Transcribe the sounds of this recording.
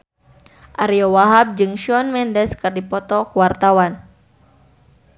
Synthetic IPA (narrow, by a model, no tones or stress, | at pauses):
ʔaɾiɔwaɦab̚d͡ʒɨŋʃɔnmɛndɛskɨrdipɔt̪ɔkuwart̪awan